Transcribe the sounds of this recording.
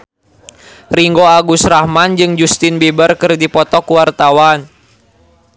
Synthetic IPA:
riŋɡoaɡusrahmand͡ʒɨŋd͡ʒust̪inbibərkɨrdipɔt̪ɔkuwart̪awan

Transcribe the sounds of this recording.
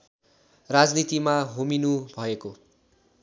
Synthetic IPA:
rad͡znit̪imaɦominubʱʌeko

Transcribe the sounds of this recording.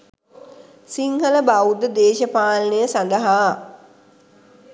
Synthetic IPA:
siŋhələbawd̪əd̪eːʃəpaːlnejəsand̪əɦaː

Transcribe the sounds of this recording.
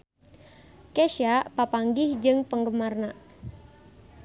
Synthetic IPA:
keʃapapaŋɡɪhd͡ʒɨŋpəŋɡəmarna

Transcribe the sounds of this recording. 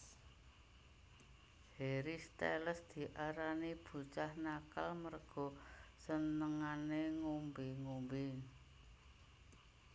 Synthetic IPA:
heɾist̪ḛləsd̪̥i̤ʔaɾanib̥ṳt͡ʃahnakalmərɡ̥ɔ̤sənəŋaneŋumbɪŋumbɪ

